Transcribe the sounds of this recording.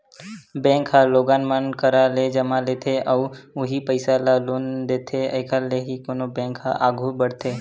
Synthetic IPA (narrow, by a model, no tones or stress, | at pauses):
bɛ̃ːŋkɦaloːɡaːnmənkəɾaled͡ʒəmalet̪ʰeʔəʊɦipəɪsalaːloːnd̪eːt̪ʰeəːkʰaleɦikoːnobɛ̃ːŋkɦaʔaːɡʱubəɽt̪ʰeː